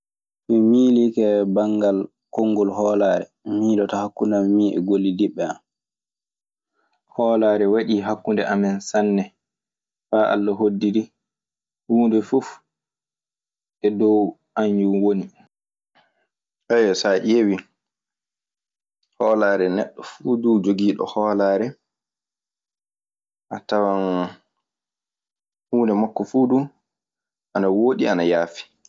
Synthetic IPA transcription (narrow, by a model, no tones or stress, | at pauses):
mimiːlikɛbaŋɡal | koŋːɡɔlɦɔːlaːɾɛ̰ | miːɗɔtɔhakːundammiːʔɛ̰ɡolːidiɓːɛa̰m | hɔlaːɾɛwaɗiːɦakːundɛʔamɛnsanːɛ | faːʔa̰lːaɦodːiɾi | huːndɛfuf | ʔɛdɔw | ʔaɲjuwoni | ʔɛjsaʔewi | hɔːlaːɾɛnɛ̰ɗːɔfuːduːd͡ʒoɡiːɗɔ̰hɔːlaːɾɛ | ʔatawan | huːndɛmakːɔfuːduː | ʔanawoːɗianajaːfi̥